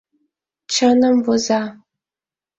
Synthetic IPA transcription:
t͡ʃʰɐnɐmbɔzaː

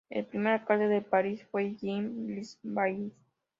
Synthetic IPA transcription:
ḛlpɾimeɾakald̪eðepaɾisfweʝimlisbajis

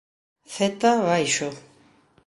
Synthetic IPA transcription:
θet̪aβajʃo

